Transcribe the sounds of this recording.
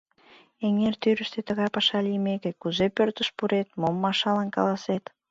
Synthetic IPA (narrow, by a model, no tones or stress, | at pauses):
eŋert̪yɾəʃt̪et̪ə̆ɣɑjpɑʃɑlijmekekuzepørt̪əʃpuɾet̪momːɑʃɑlɑnkɑ̰lɑset̪